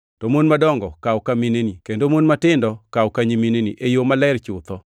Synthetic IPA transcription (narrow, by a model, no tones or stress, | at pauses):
tɔmonmadɔŋɡɔkawkaminenikendomonmatɪndɔkaokaɲiminenḭʔejomalɛɾt͡ʃʊt̪ɔ